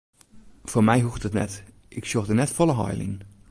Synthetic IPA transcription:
foːmɛjɦuxtətnɛ̰t | ʔɪksoxdənɛtfɔlˠəɦɔ̰jlḭn

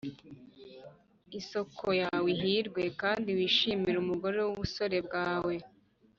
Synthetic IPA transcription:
iso̞kʰo̞jawiɦiɾɡwe̞kaːndiwiːʃiːmiɾumuɡo̞ɾe̞wuβuso̞ɾe̞bɡaːwe̞

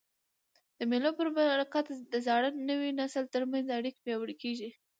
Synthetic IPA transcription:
d̪̥əmelopəɾbaɾakat̪d̪əzɑɽənnəwinasəlt̪əɾmanzaɽikpjɑwəɽkeʒi

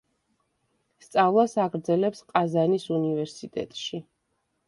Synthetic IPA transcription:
st̪sʼavlˠasaɡɾd̪zɛlɛpsqʼazanisunivɛɾsit̪ʼɛ̰t̪ʼʃi

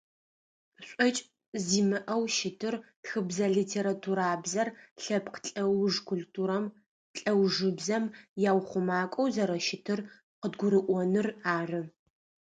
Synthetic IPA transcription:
ɕʷʼɔt͡ʃʼ | ziːmɨʔɐwʃɪtʰɨrtxɨbzɐɮitʰeːɾatʰuɾaːbzɐrɬɐpʰqəɬʼɐwʊʐkʷʰʊltʰuːɾɐm | ɬʼɐwʐɨbzɐmjaːwχʷʊmaːkʷʼɐwzɐɾɐʃɪtʰɨr | qədɡʷʊɾɨʔʷɔnɨraːrɨ

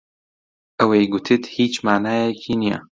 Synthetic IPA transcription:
ʔəwejɡʊt̪ʰɨt̪hiːt͡ʃmaːnaːjɛkʰiːnija̰

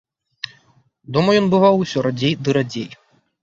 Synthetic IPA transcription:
d̪ɔmɐjɔnbɨvawusʲɔɾad͡zʲejd̪ɨɾad͡zʲej

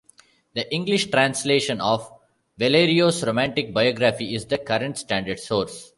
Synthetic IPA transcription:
d̪əʔɪ̃ŋɡlɪʃʈɾãnsleːʃə̃nɔːʋ | ʋeleːɾioːsɾomæ̃ɳʈɪk̚baɪɔːɡɾafiɪzd̪əkʌɾə̃ɳʈsʈæ̃ːɳɖəɖsoːɾs

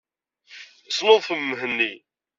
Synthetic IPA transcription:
snoðˤθəmːɦənːi

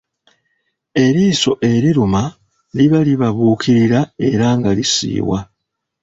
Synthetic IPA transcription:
e̞ɾiːso̞ʔe̞ɾiɾuma | liβaliβaβuːkʰiɾiɾae̞ɾaŋɡalisḭːwa̰

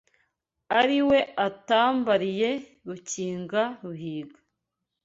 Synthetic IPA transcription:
aɾiwe̞ataːmbaɾije̞ | ɡuciːŋɡaɾuhiːɡḁ

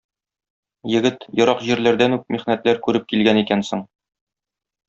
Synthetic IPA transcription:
jɘ̆ɡɘt̪jŏɾɑqʑiɾlæɾd̪ænʉk̚miχnæt̪læɾkʉɾɘp̚kilɡænikænsɘɴ

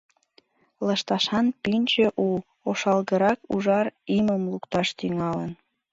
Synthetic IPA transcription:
ləʃt̪ɑʃɑnpynʲt͡ɕeʔu | oʃɑlɣəɾɑkṵʒɑriməmlukt̪ɑʃt̪yŋɑlən

